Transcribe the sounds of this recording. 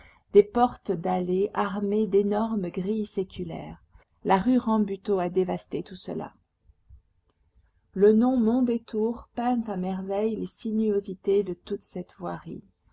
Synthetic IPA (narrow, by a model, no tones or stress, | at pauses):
d̪̥epɔʁt̪d̪aleʔaʁmed̪enɔʁmɡʁisekʲʰylɛ̰ːʁ | laʁyʁɑ̃byt̪oad̪evast̪et̪usə̰la̰ | lənɔ̃mɔ̃d̪et̪uʁpɛ̃t̪amɛʁvɛjlesinyozit̪ed̪ət̪ut̪sɛt̪vwaʁḭl